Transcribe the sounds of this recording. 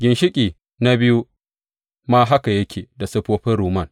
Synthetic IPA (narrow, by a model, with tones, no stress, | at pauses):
ɡʲɪ˨nʃɪ˦kʲʼiː˨ | na˦bɪ˦ju˦ | maː˦ɦa˦ka˨jɐ˦kʲʰeː˨da˨sɐ˦ɸoː˦ɸɪ˦ɾuː˨mɐ˦˨n